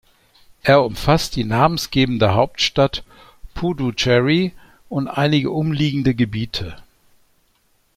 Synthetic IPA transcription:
ʔeːɐʊmfast̚d̥iːnaːmənsɡ̥eːbn̩dəɦaʊp̚tʃtat | pʰudut͡ʃɛʁi | ʔʊntʔaɪnɪɡəʔʊmliːɡŋ̩dəɡəbiːtʰə

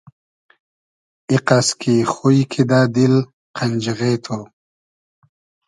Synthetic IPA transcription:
iqaskʰixujkʰid̪aːd̪il | qʰand͡ʑiɣet̪ʰo

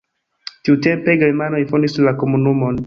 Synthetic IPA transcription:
tiute̞mpe̞ɡeɾmano̞jfondislako̞munumo̞n

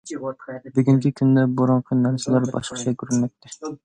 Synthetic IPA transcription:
bɪɡʲiŋkʲikʲʰynd̪ɛboɾɑŋqʰɨnæɾsɪlæɾbɑ̰ʃqʰə̥t͡ʃʰɛkʰʲyɾynmɛk̚t̪ʰːɪ

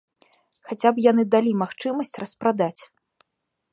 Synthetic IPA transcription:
xat͡sʲapjanɨd̪alʲimaxt͡ʂɨmɐsʲt͡sʲrɐspɾad̪at͡sʲ

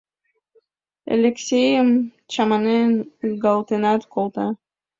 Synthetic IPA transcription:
ḛlʲeksʲejm | t͡ʃamanenɡalˠt̪ɨnat̪kolˠt̪a

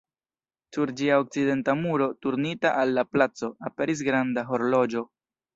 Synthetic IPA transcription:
suɾd͡ʒiaok̚t͡side̞ntamuɾo̞tuɾnitaʔalːaplat͡so̞ape̞ɾis̬ɡɾandaɦo̞ɾlo̞d͡ʒo̞

